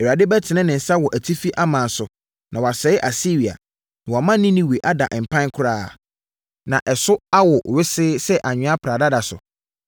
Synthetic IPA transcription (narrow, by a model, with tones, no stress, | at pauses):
ɛ˨a˨dɪ˦bɛ˦tʰɪ˨nɪ̃˦nɪ̃˨n̩˨sa˦wɔ˨ʔæ˨tʰi˦fi˦ʔa˦mã˨n˨sʊ˨ | nʔã˨wa˨sɛ˨˦ɪ˦ʔa˨si˦ɾi˨a̰˨ | nã˨wɔ˨mã˦nɪ̃˦nĩ˦wi˨ʔa˦da̰˨ʔm̩˨pʰã˦n˦kʰʊ˦ɾaː˦˨ | nã˨ʔɛ˨sʊ˦a˦wɔ˨ʔɥɪ˦sɪː˦sɛ˦ʔa˨ɲᶣɪ̃˦a˦pʰɾa˨da˦da˨sʊ̰˨